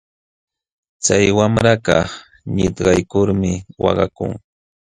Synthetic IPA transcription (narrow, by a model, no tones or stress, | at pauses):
t͡sajwamɾakɑ | ɲɪt̪ɢɑjkʊɾmɪwɑ̰ɢɑ̰kʊ̰ŋ